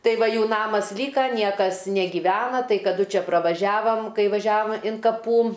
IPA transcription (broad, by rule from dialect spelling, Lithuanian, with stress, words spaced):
ˈtɐɪ ˈʋɐ ˈjuː ˈnɑːmɐs ˈlʲiːkɐ ˈnʲiɛkɐs nʲɛɡʲiːˈʋʲæːnɐ ˈtɐɪ kɐˈdʊ ˈt͡ʃʲɛ prɐʋɐˈʒʲæːʋɐm ˈkɐɪ ʋɐˈʒʲæːʋɐm ɪn kɐˈpuː